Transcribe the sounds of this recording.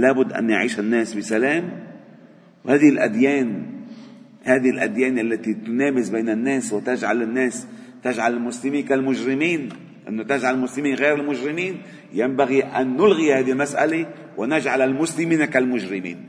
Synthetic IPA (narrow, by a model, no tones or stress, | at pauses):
laːbʊd̪ːʔa̰nːjaʕiːʃanːeːsbɪsaleːm | whaːd̪ɪlʔa̰d̪jeːn | haːd̪ɪlʔa̰d̪jeːnʔalːat̪it̪ʊneːmɪsbeːnɪnːeːswɪt̪ɪd͡ʒʕalɪnːeːst̪ɪʒʕalɪlmʊslɪmiːnkalmʊʒɾɪmiːn | ʔɪ̰nːot̪ɪʒʕallmʊslɪmiːnɣeːɾɪlmʊʒɾɪmiːn | jambaɣiʔanːʊlɣihaːd̪ilmasʔa̰le | wʔɪnaʒʕalalmʊslɪmiːnakalmʊʒɾɪmḭːn